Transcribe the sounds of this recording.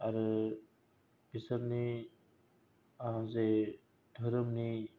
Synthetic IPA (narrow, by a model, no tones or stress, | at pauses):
aɾɯ | bisaɾni | ãze | d̥ʱɔɾɯmni